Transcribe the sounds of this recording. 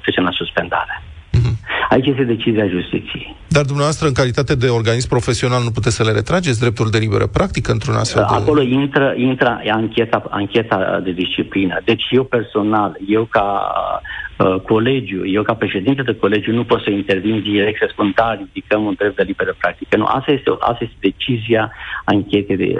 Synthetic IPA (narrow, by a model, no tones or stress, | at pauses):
fet͡ʃenasuspe̞nd̪a̰ɾe | ait͡ʃjest̪ed̪e̞t͡ʃiziaʒust̪it̪sijej | d̪ard̪umneavast̪ɾəɨŋkalit̪at̪e̞d̪e̞o̞rɡanismpɾo̞fe̞sio̞nalnup̬ut̪esʲsəleɾe̞t̪ɾad͡ʒet̪sʲd̪ɾe̞p̚t̪uld̪e̞libe̞̰ɾə̰pɾʔak̚t̪ikəɨnt̪ɾuna̰sea̰lko̞lo̞int̪ɾəʔint̪ɾəaŋkʲe̞t̪aa̰ŋkʲe̞t̪ad̪e̞d̪ist͡ʃiplinə̰d̪e̞t͡ʃʲje̞wpe̞rso̞nalje̞wka | ko̞le̞d͡ʒjuje̞wkapɾe̞ʃe̞d̪int̪əd̪eko̞le̞d͡ʒjunupo̞t̪səint̪e̞rvind̪iɾek̚t̪səspund̪arid̪ikəmund̪ɾep̪̚e̞libeɾəpɾak̚t̪i̥kənṵʔa̰sajest̪eʔa̰st̪aje̞st̪e̞d̪e̞t͡ʃiziaaŋkʲe̞t̪ed̪ḛ